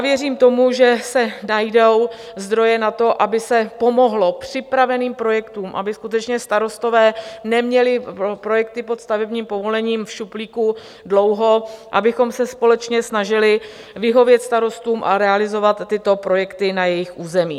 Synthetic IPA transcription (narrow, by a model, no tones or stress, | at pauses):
vjɛriːmt̪o̞muʒɛsɛnajdow | zd̪ɾo̞jɛnat̪o̞ʔabɪsɛpo̞mo̞ɦlo̞pr̥ɪpɾavɛniːmpɾo̞jɛkt̪uːmʔa̰bɪskut̪ɛt͡ʃɲɛst̪aɾo̞st̪o̞vɛːnɛmɲɛlɪpɾo̞jɛk̚t̪ɪpot̪st̪avɛbɲiːmpo̞vo̞lɛɲiːmfʃupliːku | dlo̞wɦo̞ʔa̰bɪxo̞msɛspo̞lɛt͡ʃɲɛsnaʒɪlɪ | vɪɦo̞vjɛt̪st̪aɾo̞st̪uːmʔa̰ɾɛalɪzo̞vat̪ːɪt̪o̞pɾo̞jɛkt̪ɪnajɛjɪxʔuːzɛmḭː